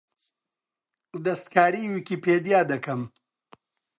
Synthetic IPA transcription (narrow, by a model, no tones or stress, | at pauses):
d̪ɐst̪kaːɾiwikipeːd̪jaːd̪ɐkɐm